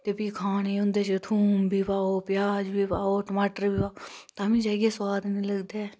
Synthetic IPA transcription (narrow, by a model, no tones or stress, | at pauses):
t̪eːpiːkʰaːɽeːʊ̃nd̪eːt͡ʃet̪ʰuːmbʱiːpaːoːpɪjaːd͡ʒbiːpaːoːʈəmaːʈəɾbiːpaːt̪ãːmĩːd͡ʒaːɡeːswaːd̪nĩːləɡd̪eː